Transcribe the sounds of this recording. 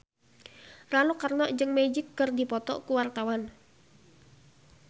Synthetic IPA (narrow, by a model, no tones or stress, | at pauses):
ralukarnɔʔd͡ʒɨŋmɛd͡ʒɪkːɨrdipɔt̪ɔ̰kuwart̪awan